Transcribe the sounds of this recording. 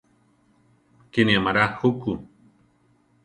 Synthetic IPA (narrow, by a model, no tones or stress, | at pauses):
kenĩamaɾahuku